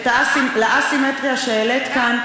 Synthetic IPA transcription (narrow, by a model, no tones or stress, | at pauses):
tleʔasimet̪ʁijaʃeelet̪kan